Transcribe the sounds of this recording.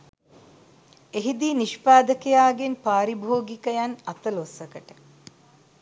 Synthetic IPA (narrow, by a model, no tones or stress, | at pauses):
eɦid̪iːniʃpaːd̪əkejaːɡenpaːɾibʱoːɡikəjanat̪əlosɐkəʈə